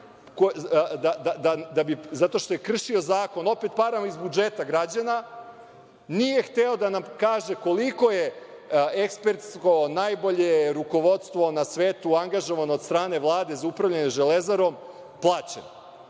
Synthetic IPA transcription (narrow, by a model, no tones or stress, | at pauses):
kod̪ad̪ad̪ad̪abizat̪oʃt̪o̞jekr̩ʃio̞zaːko̞no̞pe̞t̪̚paɾamizbud͡ʒet̪aɡɾad͡ʑana | nijext̪eo̞d̪anamkaːʒeko̞liko̞je | ekspe̞ɾt̪sko̞najbo̞ʎeɾuko̞ʋo̞t̪st̪ʋo̞nasʋeːt̪uaŋɡaʒo̞ʋanoːd̪st̪ɾaːne̞ʋlˠaːd̪e̞zaupɾaʋʎaneʒelezaɾo̞m | plˠaːt͡ɕḛn